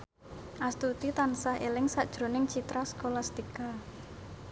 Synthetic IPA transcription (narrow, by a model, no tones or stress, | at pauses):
ʔast̪ut̪it̪ansahelɪŋsaʔd̥ʒ̥ɾo̤nɪŋt͡ʃit̪ɾaskolast̪ika